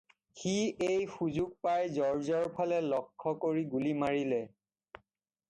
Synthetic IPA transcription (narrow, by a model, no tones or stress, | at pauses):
xiejxuzuɡ̚pajzɔɹzɔɹpʰalɛlɔkʰːɔkoɹiɡulimaɹilɛ